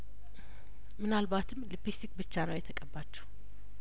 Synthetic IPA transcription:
mɨnalbat̪ʰɨmːlipist̪ikbɨt͡ʃːanəwjɛt̪ʰəkʼəbːat͡ʃːɛ̥w

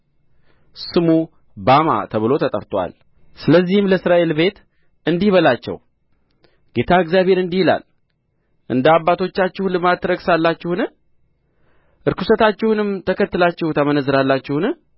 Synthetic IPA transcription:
sɨmu | bama̰t̪ʰəβɨlo̞t̪ʰət̪ʼə̰ɾt̪ʼwa̰l | sɨləzːihɪmləsɾaʔe̞lbe̞t̪ | ɨnd̪ihβəlat͡ʃːɛ̰w | ɡ̥e̞t̪ʰaɨɡzjaβe̞ɾɨnd̪ihila̰l | ʔɨ̰nd̪əabːat̪ʰo̞t͡ʃːat͡ʃːɪhulɨmad̪ɾəɡsalːat͡ʃːɪhunɨ | ʔɨɾkɨsət̪at͡ʃːɪhunɨmt̪ʰəkʰət̪ːɨlat͡ʃːɛhut̪ʰəmənəzːɨɾalːat͡ʃːɪhunɨ

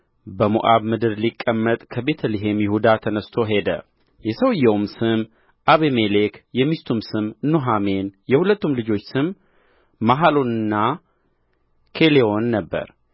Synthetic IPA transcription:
bəmuʔaβmɨd̪ɨɾlikʼːəmːət̪ʼkʰəbe̞t̪ʰəlɨɦemjɪhud̪at̪ʰənəst̪ʰo̞ɦe̞d̪ə̰ | jɛsəwjɛwmsɨm | ʔaβemelekjɛmist̪ʰumsɨmnuɦame̞njɛhulət̪ːumlɨd͡ʒo̞t͡ʃːsɨmː | aɦalonɨnːa | kʰe̞leo̞nːəbːə̰ɾ

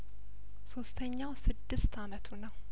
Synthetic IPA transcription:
so̞st̪ʰəɲːawsɨd̪ːɨst̪ʰamət̪ʰunəw

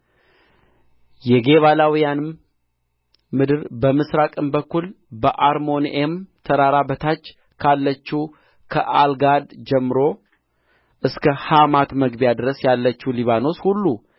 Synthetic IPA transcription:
jɛɡe̞βalawijanɨm | mɨd̪ɨɾbəmɨsɾakʼɨmbəkːul | bəʔaɾmo̞nʔemt̪ʰəɾaɾabət̪ʰat͡ʃː | kʰalːət͡ʃːu | kʰəʔalɡad̪d͡ʒɛmːɨɾo̞ | ʔɨskʰəhamat̪məɡbijad̪ɨɾəsjalːət͡ʃːuliβano̞shulːu

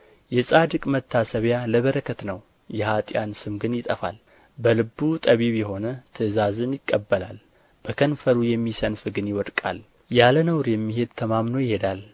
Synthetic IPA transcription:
jɛsʼad̪ɨkʼmət̪ʰːasəβjaləβəɾəkʰət̪nəw | jɛhat̪ʼjansɨmɡɨnjɪt̪ʼəfa̰l | bəlɨbːut̪ʼəβiβjɛɦo̞nət̪ʰɨzazɨnjɪkʼːəbːəlal | b̥əkʰənfəɾujɛmːisənfɨɡɨnjɪwɔd̪kʼa̰l | jalənəwɾjɛmːiɦe̞d̪̚t̪ʰəmamno̞jɪhe̞d̪al

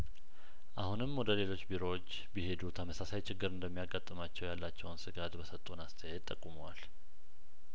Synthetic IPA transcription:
ʔahunɨmwɔd̪əle̞lo̞t͡ʃːbiɾo̞ot͡ʃː | bihe̞d̪ut̪ʰəməsasajt͡ʃʰɪɡːɨɾɨnd̪əmːijaɡat̪ʼːɨmat͡ʃːɛwjalːat͡ʃːɛwnsɨɡat̪bəsət̪ʼunast̪ʰəjɛd̪t̪ʼːəkʼːuməwal

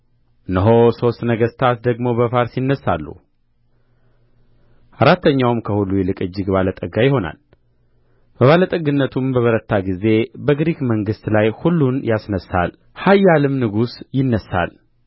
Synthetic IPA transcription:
ɨnəɦo̞so̞st̪nəɡəst̪ʰat̪d̪əɡmo̞bəfaɾsinːəsːalːṵ | ʔaɾat̪ʰːəɲːawmkʰəhulːujɛlɨkʼɨd͡ʒːɪɡbalət̪ʼəɡajɪho̞na̰l | b̥əβalət̪ʼəɡɨnːət̪ʰumbəβəɾət̪ʰːaɡize̞bəɡɾikməŋɡɨst̪lajhulːunjasnəsa̰l | hajːalɨmnɨɡusjɪnːəsa̰l

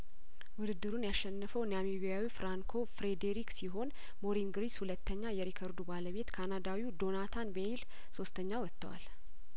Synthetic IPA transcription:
wʊd̪ɨd̪ːɨɾunjaʃːɛnːəfəwnjamiβijawifɾaŋkʰo̞fɾed̪eɾiksiɦo̞n | moɾiŋɡɾishulət̪ʰːəɲːajɛɾikʰəɾd̪ubaləβe̞t̪kʰanad̪awiwd̪o̞nat̪ʰanbeil | so̞st̪ʰəɲːawɔt̪ːə̰wa̰l

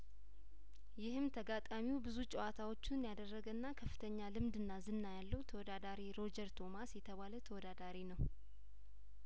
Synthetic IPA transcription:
jɪhɨmt̪ʰəɡat̪ʼamiubɨzut͡ʃʼɛwat̪ʰawo̞t͡ʃːɪnjad̪ərːəɡənːakʰəfːɨ̥t̪ʰəɲːalɨmd̪ɨnːazɨnːajalːəwut̪ʰəwɔd̪ad̪aɾiɾo̞d͡ʒəɾt̪ʰo̞masjɛt̪ʰəβalət̪ʰəwɔd̪ad̪aɾinəw

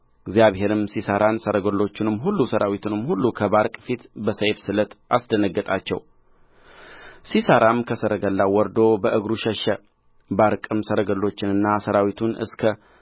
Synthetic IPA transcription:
ɪɡzjaβhe̞ɾɨmsisəɾʔansəɾəɡəlːo̞t͡ʃːɪnɨmːɦulːusəɾʔawit̪ʰunɨmːhulːukʰəbaɾkʼfit̪bəsəjfsɨlət̪ʔasd̪ənəɡːət̪ʼat͡ʃːɛ̰w | sisəɾʔamkʰəsəɾəɡəlːawɔɾd̪o̞bəʔɨɡɾuʃəʃə | baɾkʼɨmsəɾəɡəlːo̞t͡ʃːɪnɨnːasəɾawit̪ʰunɨ̰skʰə

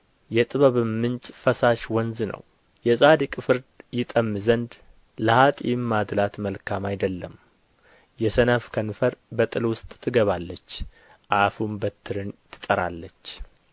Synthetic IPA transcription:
jɛt̪ʼɨβəβɨmːɨnt͡ʃʼfəsaʃwɔnznə̰w | jɛzʼad̪ikʼfɨɾd̪jɪt̪ʼəmːɨzənd̪ | ləhat̪ʼimːad̪lat̪məlkʰamajd̪əlːəm | jɛsənəfkʰənfəɾbət̪ʼɨlwʊst̪ʼt̪ʰːɨɡəβalːət͡ʃː | ʔafumbət̪ʰːɨɾɨnt̪ʰɨ̥t̪ʼəɾa̰lːət͡ʃː

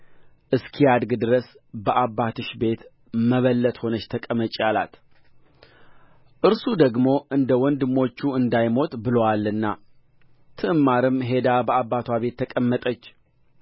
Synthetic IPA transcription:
ʔɨskʰijad̪ɡɨd̪ɨɾəs | bəʔabːat̪ʰɨʃbe̞t̪ | məβəlːət̪ho̞nət͡ʃːt̪ʰəkʼəmət͡ʃʼjala̰t̪ | ʔɨɾsud̪əɡmo̞ʔɨnd̪əwɔnd̪ɨmːo̞t͡ʃːuɨnd̪ajmo̞t̪ʼbɨləwalːɨnːa̰ | t̪ʰɨʔɨmːaɾɨmɦe̞d̪abəabːat̪ʰwaβe̞t̪ʰːəkʼəmːət̪ʼət͡ʃː

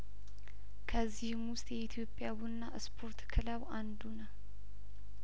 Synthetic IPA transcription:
kʰəzːihmʊst̪ʼjɛit̪ʰjo̞pʼːjabunːaɨspʰoɾt̪kʰɨlawʔand̪unəw

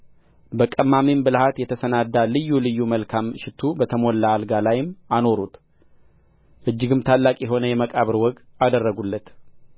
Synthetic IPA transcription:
bəkʼəmːamimbɨlhat̪jɛt̪ʰəsənad̪ːalɨjːulɨjːuməlkʰamʃɪt̪ʰːubət̪ʰəmolːaːlɡalajɪmano̞ɾut̪ | ʔɨd͡ʒːɪɡɨmt̪ʰalːakʼjɛɦo̞nəjɛməkʼaβɨɾwɔɡad̪ərːəɡulːət̪

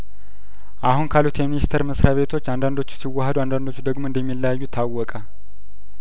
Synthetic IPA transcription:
ʔahunkʰalut̪ʰjɛminist̪ʰəɾməsɾʔaβe̞t̪ʰo̞t͡ʃːand̪and̪o̞t͡ʃːu̥siwːahəd̪uand̪and̪o̞t͡ʃːud̪əɡmoɨnd̪ɛmːilːajajːut̪ʰːawːɔkʼa

